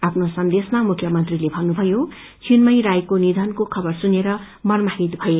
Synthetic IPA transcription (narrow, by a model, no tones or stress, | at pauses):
apʰnosʌnd̪esmamukʰːjʌmʌnt̪rilebʱʌnːubʱʌjo | t͡sʰinmʌjɾajkonid̪ʱʌnkokʰʌbʌrsuneɾʌ | mʌrmaɦit̪bʱʌe